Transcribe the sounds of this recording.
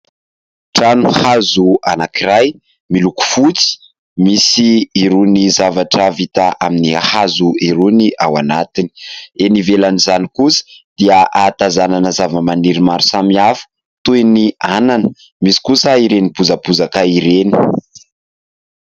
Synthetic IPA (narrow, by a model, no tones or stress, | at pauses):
ʈ͡ʂanuhazua̰nakiɾaj | miluku̥fut͡si̥ | misiiɾunizavaʈ͡ʂavit̪aʔaminihazuiɾuniʔa̰wanat̪ini̥enivelanizanikusə̥d̪̥iəʔat̪azananəzavəmaniɾimaɾu̥samiafə̥ | t̪ueniananə̥ | misi̥kusəiɾenipuzəpuzakaiɾeni̥